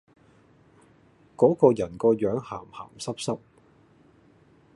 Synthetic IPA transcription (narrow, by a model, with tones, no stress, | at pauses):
kɔː˨˥kɔː˧jɐ˨˩nkɔː˧jœː˨˥ŋhaː˨˩mha̰ː˨˩msɐ˥p̚sɐ˥p̚